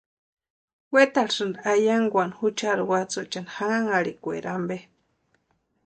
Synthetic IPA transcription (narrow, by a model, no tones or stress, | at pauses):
wet̪alsɨnd̪ajaŋɡʷanhut͡ʃaɾwat͡sut͡ʃanhaŋaŋaɾikʷḛɾʔambe